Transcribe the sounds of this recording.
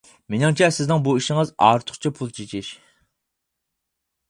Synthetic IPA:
menɪŋt͡ʃʰɛsɪznɪŋbuiʃɪŋɨzɑ̰ːɾt̪ʰʊ̥χt͡ʃʰipʰulˠt͡ʃʰet͡ʃʰɪʃ

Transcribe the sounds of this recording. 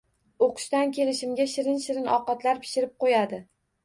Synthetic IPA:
oqʰʊ̥ʃt̪ankʲʰe̞lɪʃɪmɡʲaʃɪɾɪnʃɪɾɪnɒqɑt̪laɾpʰɪ̥ʃɪɾɪp̚qojad̪ɪ

